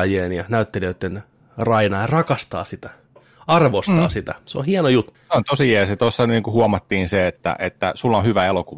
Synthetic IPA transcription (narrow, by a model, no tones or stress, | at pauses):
jeːnjɑnæyt̪ːeliøt̪ːen | rɑinɑːjɑrɑkɑst̪ɑ̰ːsit̪æ̥ | ɑrʋost̪ɑːsit̪æseo̰hienojut̪ːeont̪osiiæset̪osːɑniːŋkuhuɑmɑt̪ːiːnseet̪ːæ̰ʔet̪ːæ̰sulːonhyʋæelokuʋɑ